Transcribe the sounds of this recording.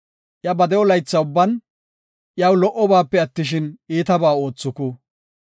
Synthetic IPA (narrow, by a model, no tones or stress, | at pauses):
ʔjɐbɐd̪ɛɔlɐjt͡sːɐʊbːɐn | ʔjɐwlɔʔɔbaːpːɛɐt̪ːɪʃɪniːt̪ɐbaːo̞ːt͡sːɔkʊ